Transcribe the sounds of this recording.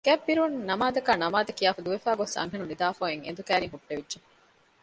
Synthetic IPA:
ɡ̥æbːiɾunnːɐmaːd̪ɐkæːnɐmaːd̪ɐkijaːfud̪uʋefaːɡosɐ̰ŋɦenunid̪aːfoːeŋḛnd̪ukæːɾiŋɦuɖːeʋidʒe

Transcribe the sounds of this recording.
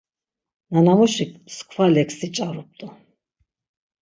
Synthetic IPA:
nanamɔʃiskʰwalɛksit͡ʃʼaɾup̚t̪ʼɔ

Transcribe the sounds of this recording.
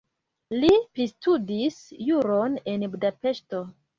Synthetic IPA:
lipɾistudisjuɾone̞nbudape̞ʃto̞

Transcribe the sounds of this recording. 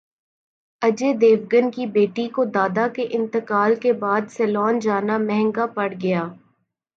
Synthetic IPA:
ɐd͡ʒed̪eːʋɡənkibeːʈikod̪aːd̪akeʔɪ̃nt̪əkaːlkebaːd̪sɛːlɔːnd͡ʒaːnamɛɦɛ̃ŋɡapɐɽɡɐjaː

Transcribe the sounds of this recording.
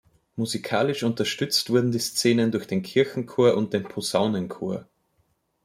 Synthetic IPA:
muzikʰaːlɪʃʔʊntɐʃtʏt͡stv̥ʊɐdn̩diːst͡seːnəndʊɐçd̥eːnkʰɪɐçŋ̩kʰoːɐʔʊnt̚d̥eːnpʰozaʊnənkʰoːɐ

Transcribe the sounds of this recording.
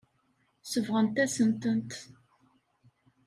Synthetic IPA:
səvʁənt̪æsənt̪ənt̪

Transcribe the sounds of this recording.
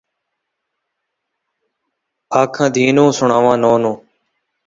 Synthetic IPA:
aːkʰãːd̪ʱiːnõːsʊɳaːʋãːnoːnõː

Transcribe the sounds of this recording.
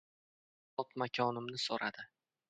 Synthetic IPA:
ɒt̪makʰʲɒnɪmnɪsoɾʔad̪ɪ

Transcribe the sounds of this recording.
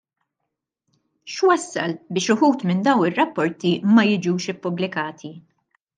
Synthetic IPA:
ʃwɐsːɐ̰lbɪːʃʊħuːt̪mɪnd̪ɐwnɪrːɐpːɔɾt̪imɐjɪd͡ʒuːʃɪpːʊblɪkɐːt̪ʰi

